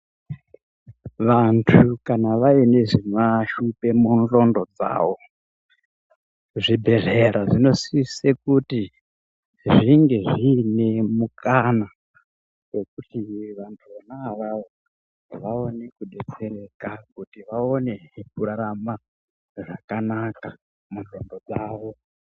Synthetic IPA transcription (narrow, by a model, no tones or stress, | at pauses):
ʋantʰukanaʋaine̞ʐimaʃupe̞munro̞ndo̞d͡za̰ːʋo̞ | ʐibʱe̞ɮeɾaʐino̞sisekuti | ʐiŋɡe̞ʐine̞mukana | we̞kutiʋantʰuanaʋaʋo | ʋao̞ne̞kuɗe̞t͡se̞ɾe̞kakutiʋaone̞kuɾaɾama | ʐakanaka | munro̞ndo̞d͡zaːʋo̞